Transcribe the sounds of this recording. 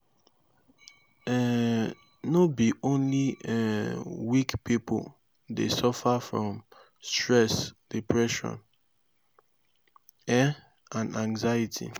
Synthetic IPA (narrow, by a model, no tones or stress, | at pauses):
ɛ | nobiʔõnliɛwikpipo̰l | dḛsɔfafɹɔ̃m | stɹɛsdipʰɹɛʃɔ̰̃n | ɛ | ãnãŋzajitʰḭ